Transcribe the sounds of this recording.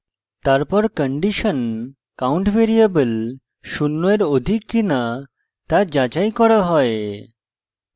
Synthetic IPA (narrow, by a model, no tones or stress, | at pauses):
t̪aɾpɔɾkəɳɖiʃən | kauɳʈbeɾiebəl | ʃunːoeɾod̪ʱikːina | t̪ad͡ʒad͡ʒajkɔɽaɦɔe